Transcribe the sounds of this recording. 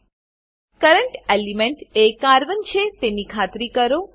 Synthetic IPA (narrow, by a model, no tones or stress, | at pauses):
kəɾəɳʈelimeɳʈekaɾʋənt͡ʃʰet̪enikʰat̪ɾikəɾo